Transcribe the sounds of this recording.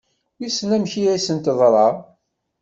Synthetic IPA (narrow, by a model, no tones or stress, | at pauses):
jisnæmçijæsənt̪ðˤɾˤɑ